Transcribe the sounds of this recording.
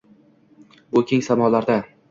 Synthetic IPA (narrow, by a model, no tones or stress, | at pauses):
bʊkʲʰeŋsamɒlaɾd̪a